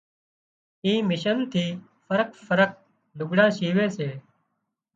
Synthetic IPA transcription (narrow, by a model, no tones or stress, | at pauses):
ĩːmɪʃənt̪ʰiː | fəɾəkfʰəɾək̚ | lʊɡɽãːʃiːʋẽːseː